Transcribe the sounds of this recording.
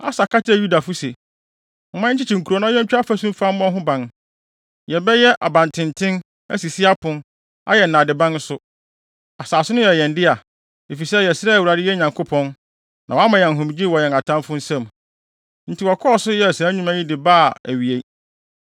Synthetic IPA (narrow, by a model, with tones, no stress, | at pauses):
a̰˦sa˨ka˦tʰɪ˦ɛ˨ju˦da˨fʊ˦se˨ | m̩˨˦mã˦t͡ɕʰɪ˦t͡ɕʰi˨ŋ̩˨ku˨ɾo˨nã˦ɛ̃˦ɲ˦t͡ɕᶣa˦fæ˦sũ˦m˦fa˦m˦ɔ̃˦ɦʊ̃˦bã˨n | jɛ˨bɛ˦jɛ˦ʔa˨bã˨ntʰɪ̃˨ntʰɪ̃˦n | æ̰˦si˨si˦a˦pʰʊ̃˦n | a̰˦jɛ˨n̩˨nã˨dɪ˨bã˦n˦sʊ˦ | a˨saː˨sʊ˦nʊ̃˦jɛ˨jɛ̃˨n˦dɪ˦a˨ | e˨fi˨sɛ˦jɛ˨sɾɛ˦˨wu˨ɾa˨dɪ˦jɛ˦ɲã˨ŋkʰʊ˦pʰɔ̃˦n | nã˨wɔ˨a˦mã˨jɛ̃˨n˨ɦʊ̃˨m˨d͡ʑi˦wɔ˨jɛ˨a˨tʰã˦mfʊ̃˦n̩˦sɛ̃˦m | n̩˨tʰi˨wɔ˨kʰɔ˦ɔ˦˨sʊ˦jɛ˦˨sɲᶣũ˦mæ̃˦ɲĩ˦dɪ˨baː˦˨æ˨ɥi˨e˨